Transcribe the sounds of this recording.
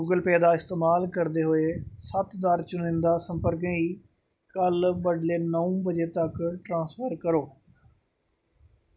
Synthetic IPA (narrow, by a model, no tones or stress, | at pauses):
uːɡəlpɛːd̪aːɪst̪eːmaːlkəɾd̪eːɦoːeːsət̪d̪əɾt͡ʃʊnɪ̃nd̪aːsə̃mpəɾkẽːiː | kəlbəɖleːnəũːbəd͡ʒeːt̪əkʈɾãːsfəɾkəɾoː